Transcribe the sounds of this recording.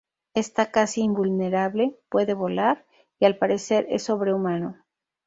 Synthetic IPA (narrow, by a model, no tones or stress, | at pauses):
e̞st̪akasiːmbulne̞ɾaβle̞pwe̞ðe̞βo̞laɾ | ialpaɾe̞se̞ɾe̞̰sːo̞βɾe̞umãno̞